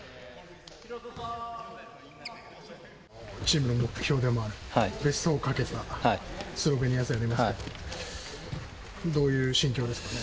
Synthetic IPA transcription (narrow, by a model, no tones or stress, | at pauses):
t͡ɕiːmɯ̟no̞mo̞kɯ̟̥çʲo̞ːd̪e̞mo̞aɾɯ̟be̞soːkake̞t̪a | sɨɾoɡeɲ̟ijasɨaɾʲimasɨ | d̪o̞ːjɯ̟ːɕĩŋkʲo̞ːd̪e̞sɨ̥kane